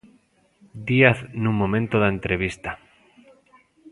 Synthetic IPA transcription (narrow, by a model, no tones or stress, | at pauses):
d̪iaθnũmːõmẽnt̪oðaent̪ɾeβ̞ist̪a